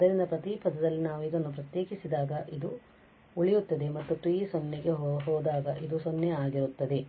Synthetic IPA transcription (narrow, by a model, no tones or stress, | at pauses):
d̪ɐɾind̪ɐpɾɐt̪ipɐd̪ɐd̪ɐlːinaːʋuid̪onːupɾɐt̪jeːkisid̪aːɡɐʔid̪u | uɭijut̪ːɐd̪e̞mɐt̪ːuʈɾiiːsonːiɡe̞ɦɦɔːd̪aːɡɐʔid̪usonjɛaːɡiɾut̪ːɐd̪e